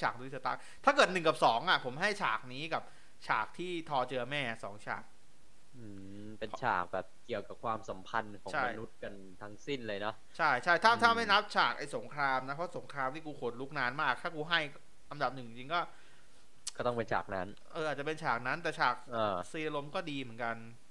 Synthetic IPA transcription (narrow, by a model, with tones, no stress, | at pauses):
t͡ɕʰaː˨˩k̚du˧˦˥sa˧t̪a̰˦˥k̚t̪ʰaː˥˩kɤː˨˩t̪̚nɯ˨˩ŋka˨˩p̚sɔː˩˦ŋʔa˨˩pʰo˩˦mɦa˥˩jt͡ɕʰaː˨˩k̚niː˦˥ka˨˩p̚ | t͡ɕʰa̰ː˨˩k̚t̪ʰiː˥˩t̪ʰɔː˧t͡ɕɤː˧mɛː˥˩sɔ̰ː˩˦ŋt͡ɕʰa̰ː˨˩k̚ | ʔɯː˧˩ | pe˧nt͡ɕʰa̰ː˨˩k̚bɛː˨˩p̚ki˨˩əwka˨˩p̚kʰwaː˧msa˩˦mpʰa˧nkʰɔː˩˦t͡ɕʰa˥ma˩jnu˦˥t̪̚ka˧n | t̪ʰa˦˥ŋsi˥˩nlɤː˧jnɔ˦˥ | t͡ɕʰa˥˩jt͡ɕʰa˥˩jt̪ʰaː˥˩t̪ʰaː˥˩ma˥˩jna˦˥p̚t͡ɕʰaː˨˩k̚ʔa˧jso˩˦ŋkʰɾaː˧mna˦˥pʰɔ˦˥˩so˨˩˦ŋkʰɾaː˧mt̪ʰiː˥˩kuː˧kʰoː˨˩t̪̚luː˦˥k̚naː˦˥nmaː˥˩k̚t̪ʰaː˥˩kuː˧ɦa˥˩j | ʔa˧mda˨˩p̚nɯ˨˩ŋi˧˩t͡ɕi˧ŋkɔː˥˩ | kɔː˥˩t̪ɔ˥˩ŋpe˧nt͡ɕʰa̰ː˨˩k̚na˦˥n | ʔɤː˧a˨˩t̪̚t͡ɕa˨˩pe˧nt͡ɕʰaː˨˩k̚na˦˥nt̪ɛː˨˩t͡ɕʰaː˨˩k̚aː˧˩siː˧a˧lo˧mkɔː˥˩diː˧mɯ˩˦nka˧n